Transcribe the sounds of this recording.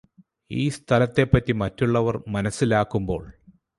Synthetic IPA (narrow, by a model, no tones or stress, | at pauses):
iːst̪ʰɐlɐt̪ːe̞pːɐtːimɐtːuɭːɐʋɐrmɐnɐsːilaːkːumbo̞ːɭ